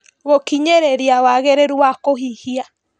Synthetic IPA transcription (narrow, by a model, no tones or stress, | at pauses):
ɣokiɲeɾeɾiawaɣeɾeɾuwakoɦihia